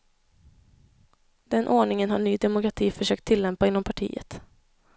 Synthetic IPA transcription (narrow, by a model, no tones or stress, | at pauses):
d̪ɛnʔoːɳɪŋənhaɳyːd̪ɛmʊkɾat̪ʰiːfœʂøːk̚t̪ʰːɪlːɛmpaɪnːɔmpʰaʈʰḭːə̰t̪